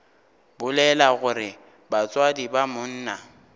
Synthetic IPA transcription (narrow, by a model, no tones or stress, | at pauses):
bʊlɛlaɣʊɾɪ | bat͡sʼwadibamʊn̩ːna